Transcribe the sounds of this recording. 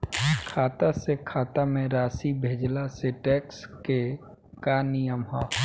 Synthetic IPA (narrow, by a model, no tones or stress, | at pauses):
kʰaːt̪asekʰaːt̪amẽɾaːsibʱeːd͡ʒlaseʈɛːkske | kanijəmɦɔː